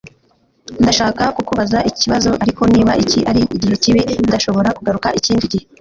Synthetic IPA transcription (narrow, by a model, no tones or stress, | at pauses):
ndaʃaːkakukuβazaʔici̥ciβazo̞ʔaɾiko̞niːβaʔiciʔaɾiʔiɟihe̞ciβindaʃo̞βo̞ɾakuɡaɾukaʔiciːndiɟihe